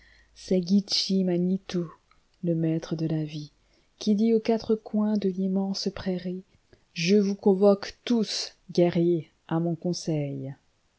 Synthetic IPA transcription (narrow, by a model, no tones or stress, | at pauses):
sɛɡʲit͡ʃimanit̪o | ləmɛt̪χəd̪əlavi | kʲid̪iokat̪χəkwɛ̃d̪əlimɑ̃spχɛʁi | ʒəvukɔ̃vɔkt̪usɡʲɛʁje | ʔamɔ̃kɔ̃sɛj